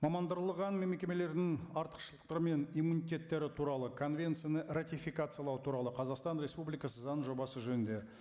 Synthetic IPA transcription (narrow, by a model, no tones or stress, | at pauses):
mɑmɑnd̪əɾəlˠəʁɑnmemkʲe̞me̞le̞ɾd̪ɪŋɑɾt̪ə̥qʃəlˠə̥q̚t̪ɑɾəme̞nijmunijt̪ʲe̞t̪ːe̞ɾɪt̪ʰuɾɑlˠəkʰo̞nvʲe̞nt̪sɨjanərat̪ijfʲikat̪sɨjɑlˠɑwt̪ʰuɾɑlˠəqʰɑzɑqst̪ɑnɾʲe̞spublijkɑsəzɑnʒo̞bɑsəʒɵnɪnd̪e̞